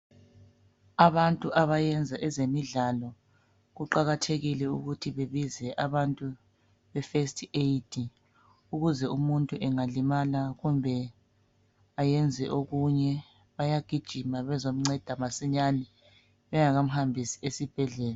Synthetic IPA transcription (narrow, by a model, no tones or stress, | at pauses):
aβantʼuʔaβajɛnd͡zʱaʔɛzemiɮalɔ | ɣuǃaɣatʰeɣilɛuɣutʰiβeβizɛʔaβantʼu | βɛfestʰʼetʰʼi | uɣuzɛumuntʼuʔɛŋalimalaɣumbʱɛ | ajɛnd͡zʱɛ̰ʔoɣuɲɛ | βajaɡ̥ʱid̥ʒ̥ʱimaβɛzom̩ŋ͡ǀɛd̥ʱamasiɲanɛ | βɛŋaɣam̩ɦambʱisi̥esib̥ʱɛɮɛːla